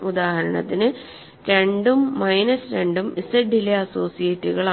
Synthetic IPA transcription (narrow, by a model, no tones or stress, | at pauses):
ud̪aːɦɐɾɐɳɐ̰t̪ːinɨ | ɾe̞ɳɖumːɐjnɐsɾe̞ɳɖumisɐɖileɐso̞ːsijɐtːiɣɐɭa